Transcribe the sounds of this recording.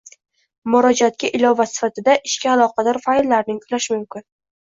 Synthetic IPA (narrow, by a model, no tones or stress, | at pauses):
mʊɾɒd͡ʒat̪̚kʲaʔɪlɒvasɪ̥fat̪ʰɪd̪aʔɪʃkʲaːlˠɒqʰɑd̪ɒɾfalːaɾnɪŋkʰʊlaʃɪmʊmkʲɪn